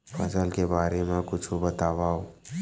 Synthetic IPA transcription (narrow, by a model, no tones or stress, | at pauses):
fəsəlkebaːɾemãkʊt͡ʃʰubət̪aʋao